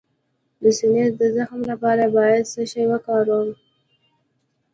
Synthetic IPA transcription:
d̪əsɪneɾd̪əzaxmlapɑɾabɑjad̪səʃajwəkɑɾəm

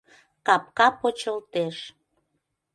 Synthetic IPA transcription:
kɑp̚kɑpot͡ɕəlt̪eʃ

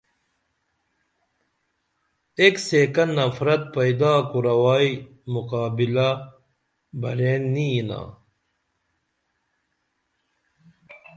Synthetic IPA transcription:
ekseːkɐnnːɐfɾɐt̪̚pɐjd̪aːkuɾɐwaːi | muqaːbila | bʱɐɾeːnːiina̰ː

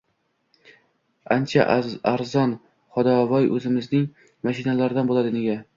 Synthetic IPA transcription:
ant͡ʃʰa̰aɾzɒn | χɒd̪ɒvɒjʔɵzɪmɪznɪŋ | maʃɪnalaɾd̪anbolad̪ɪneɡʲa

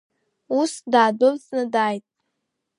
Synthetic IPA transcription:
usdaːdolznɨdaːjtʼ

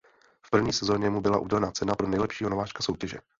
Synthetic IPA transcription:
fpr̩vɲiːsɛzo̞ɲɛmubɪlaʔṵːdɛlɛnat͡sɛnapɾo̞nɛjlɛpʃiːɦonovaːʃkaso̞wcɛʒɛ

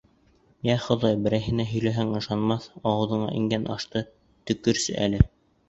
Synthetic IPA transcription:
jæχŏðɑjbɘ̆ɾæjɦɘ̆næɦɵ̆jlæɦæŋɤ̆ʃɑnmɑθɑwɤ̆ðɤ̆ɴɑ̰ʔiŋɡænʔɑʃt̪ɤ | t̪ɵ̆kːɵɾsɘ̰ʔæ̰lɘ

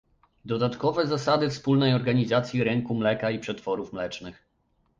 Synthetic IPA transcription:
d̪ɔd̪at̪kɔvɛzasad̪ɘfspulnɛjɔɾɡaɲizat̪sʲjiɾɛŋkumlɛkaipʂɛt̪fɔɾufmlɛt͡ʂnɘx

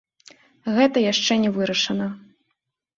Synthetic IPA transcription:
ɣɛt̪ɐjaʂt͡ʂɛnʲɛvɨɾɐʂɐnɐ

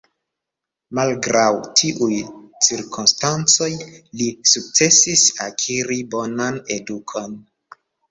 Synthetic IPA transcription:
malɡɾawtʰiʔujt͡siɾkumstant͡so̞jlisuk̚t͡se̞sisakʰiɾibo̞nane̞dukʰo̞n

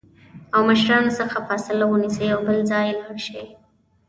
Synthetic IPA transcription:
awməʃɾɑnosəxafasɪlawənisejawbəlzɑjlaɽʃe

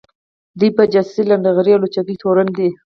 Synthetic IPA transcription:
d̪ujpəd͡ʒasiland̪aɣɾjalot͡ʃakit̪ʰoɾand̪e

